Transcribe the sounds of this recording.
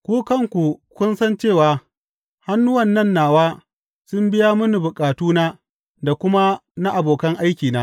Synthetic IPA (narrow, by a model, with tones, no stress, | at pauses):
kʷuː˦kɐ˦˨ŋkʷu˨kʷʊ˦nsɐ˦nt͡ʃeː˦˨waː˨ | ha˦nːʊ˦wɐ˨nːɐ˦˨nːaː˨waː˦ | sʊ˦mbɪ˦ja˦mʊ˦ni˨bʊ˨kʼaː˨tuː˦naː˦ | da˨kʷʊ˦ma˦na˦ʔa˨boː˨kɐ˦ŋʔa˦jkʲiː˨naː˦